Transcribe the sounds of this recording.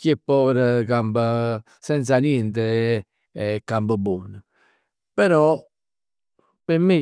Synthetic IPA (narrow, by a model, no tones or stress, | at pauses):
kepːɔɾəkambə | sɛnt̪sanjɛnt̪ə | kːambəbɔnə | pɛɾɔ | pemːi